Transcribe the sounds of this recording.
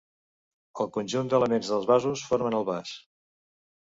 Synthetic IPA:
əlˠkunʲʒund̪ələmenzðəlˠzβazusfoɾmənəlˠβas

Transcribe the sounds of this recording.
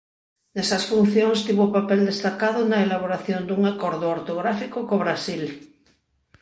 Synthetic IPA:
nɛsɐsfun̟θjoŋst̪iβopapɛld̪est̪akað̞onɐelaβ̞oɾaθjond̪uŋakoɾðooɾt̪oɣɾafikokoβɾasil

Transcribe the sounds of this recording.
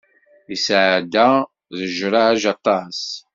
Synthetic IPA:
isʕd̪æ | ðəʒɾˤahæʒɑt̪ˤːɑs

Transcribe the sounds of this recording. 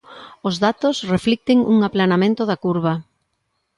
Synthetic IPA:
ozðat̪osreflik̚t̪ɪŋṵŋaplanamẽnt̪ʊðakuɾβa

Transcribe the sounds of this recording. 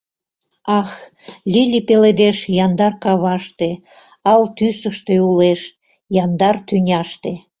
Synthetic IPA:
ɑx | lʲilʲipeled̪eʃjɑnd̪ɑrkɑβɑʃt̪e | ɑlt̪ysəʃt̪euleʃ | jɑnd̪ɑrt̪ynʲɑʃt̪e

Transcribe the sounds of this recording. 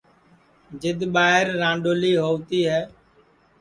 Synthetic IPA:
d͡ʒɪd̪ɓaːɦɪɾːãːɳɖoːliːɦoːʋt̪iːɦɛː

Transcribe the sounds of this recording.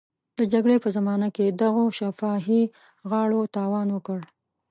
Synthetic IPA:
d̪̥əd͡ʒaɡɽepəzamɑnaked̪aɣoʃafɑɦi | ɣɑɽot̪ɑwɑnwəkəɽ

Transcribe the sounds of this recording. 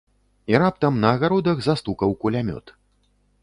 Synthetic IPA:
iɾap̚t̪ɐmnɐːɣaɾɔd̪ɐɣzast̪ukɐwkulʲamʲɔ̰t̪

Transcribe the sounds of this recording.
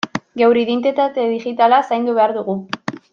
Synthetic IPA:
ɡewɾiðent̪et̪at̪eðiʝit̪alasajnd̪uβe̞aɾðuɣu

